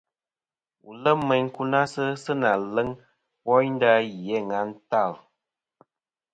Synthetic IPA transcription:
u˨lə˦mɛ˨ɲku˦na˦sə˦sə˦na˨lə˦ŋ | wɔ˦ɲn̩˦da˦jɛ˨˦˨ŋa˨˦n̩˦ta˦˨l

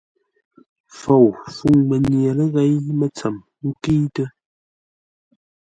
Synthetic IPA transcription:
fo˨wfu˨ŋmə˨nje˨lə˦ɣɛ˦ɲmə˦t͡sə˨m | ŋ̩˦ki˦tə˦

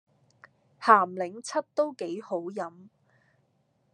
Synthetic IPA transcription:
haː˨˩mlɪ˨˥ŋt͡sʰɐ˥t̚t̪o˥wke˨˥jho˨˥wjɐ˨˥m

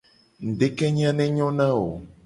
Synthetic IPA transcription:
ŋ̩˨ɖe˦kɛ˦ɲ˦ã˦nɛ̃˦ɲɔ̃˦nã˦wo̰˨

